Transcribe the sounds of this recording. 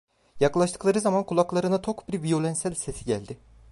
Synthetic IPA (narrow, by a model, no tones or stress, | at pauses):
jaklˠaʃt̪ʰɯ̥klˠaɾɯzamankʰulˠaklˠaɾɯnat̪ʰo̞kbiɾvijo̞lʲɛnsælʲse̞sʰiɟælʲd̪ɪ